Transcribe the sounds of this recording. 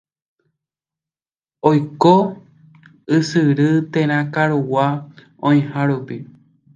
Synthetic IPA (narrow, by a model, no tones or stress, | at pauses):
ojko | ɨsɨɾɨt̪ẽɾ̃ãkaɾuwa | õĩhãɾupi